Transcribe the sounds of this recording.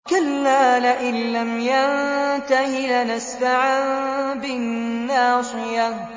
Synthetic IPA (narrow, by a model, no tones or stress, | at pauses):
kalːaːlaʔɪnːamjant̪ahɪlnasfaʕanbɪnːaːsˤɨja